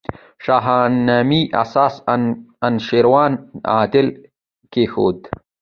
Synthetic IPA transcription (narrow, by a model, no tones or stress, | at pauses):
ʂaɦɑːnamiʔa̰sɑːsanʃeɾwɑːna̰ːd̪ɪl | kexo̰ːd̪